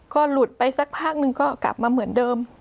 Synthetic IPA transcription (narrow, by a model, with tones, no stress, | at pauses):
kɔː˥˩lu˨˩t̪̚pa˧jsa˦˥k̚pʰaː˥˩k̚nɯ˧ŋkɔː˥˩kla̰˨˩p̚maː˧mɯ˩˦əndɤː˧m